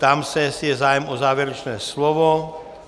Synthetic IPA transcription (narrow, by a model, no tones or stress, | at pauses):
t̪amsɛsjɛzaːjɛmɔzaːʋɛɾɛt͡ʃnɛːslɔʋɔ